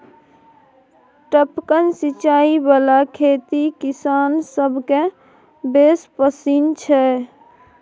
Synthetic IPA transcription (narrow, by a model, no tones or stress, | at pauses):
ʈəpkənsit͡ʃaibalakʰet̪ikisansəbʱke | bespəsint͡ʃʰɛ